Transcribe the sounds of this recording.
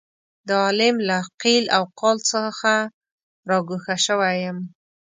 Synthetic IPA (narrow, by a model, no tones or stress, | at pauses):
d̪əɑlɪmlaqilawqɑlt͡səxa | ɾɑɡuxaʃəwajəm